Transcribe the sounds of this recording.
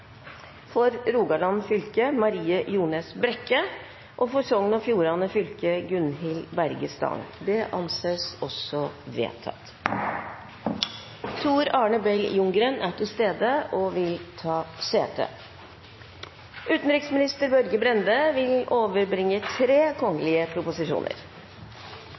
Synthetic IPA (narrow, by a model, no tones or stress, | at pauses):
fɔɾɾuːɡɑɖɑnfʏlkəmɑɾiːəjuːnəsbɾɛkːə | ʔɔfɔsɔŋnɔfjuːɾɑnəfʏlkəɡʉnɦɪlbæɾɡəst̪ɑ̰ːŋd̪ɛʔɑ̰nseːsɔsɔʋḛːt̪ʰɑ̰t̪ | t̪ʰuːɾɑːɳəbɛljʊŋɡɾənʔæʈɪlst̪eːd̪əʔɔʋɪlt̪ʰɑːseːt̪ʰə̰ | ʔʉːt̪n̩ɾɪksmɪnɪst̪əɾbœɾɡəbɾɛnd̪əʋɪloːʋəɾbɾɪŋːət̪ʰɾeːkʰɔŋːəlɪəpʰɾʊpʊsɪʂṵːnə̰ɾ